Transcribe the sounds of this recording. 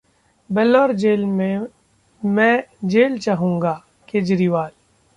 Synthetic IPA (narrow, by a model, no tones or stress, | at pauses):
bɛlɔːɾd͡ʒeːlmẽ | mɛ̃d͡ʒeːlt͡ʃaːɦũːŋɡa | keːd͡ʒɾiːʋaːl